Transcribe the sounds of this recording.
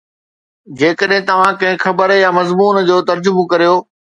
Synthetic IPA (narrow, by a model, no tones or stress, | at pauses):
d͡ʑeːkəɗɦɪ̃t̪ɐʋ̤ãkɐ̃ɦɪ̃xɐbəɾjamɐzmuːnd͡ʑoːt̪ɐɾd͡ʑʊbʊkɐɾijoː